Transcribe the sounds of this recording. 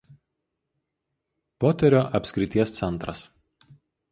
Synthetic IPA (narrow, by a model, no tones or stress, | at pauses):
poːt̪ʲɛɾʲoːʔɐpʲsʲkɾʲɪt̪ʲiɛst̪sʲɛnˑt̪ɾɐs